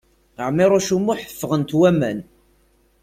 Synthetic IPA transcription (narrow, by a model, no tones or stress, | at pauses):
əʕmɪɾˤoʃumːuħə̥fːəʁənt̪wæmæ̰n